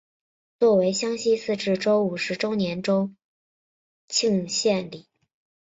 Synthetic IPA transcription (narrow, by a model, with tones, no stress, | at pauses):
t͡swɔ˥˩we˧˥ɪɕjɑ˥ŋɕi˥sɹ̩˥˧ʈ͡ʂɻ̩˥˩ʈ͡ʂo˥ʊu˨˩ʂɻ̩˧˥ʈ͡ʂo˥ʊnjɛ˧˥nʈ͡ʂo˥ʊ | t͡ɕʰi˥˧ŋɕjɛ˥˩nli˨˩˦